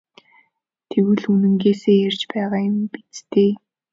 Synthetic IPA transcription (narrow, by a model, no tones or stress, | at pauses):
t̪ʰewɘ̆ɮunɘ̆ŋɡeːseːjert͡ɕpæːʁaːjʊmpit͡st̪eː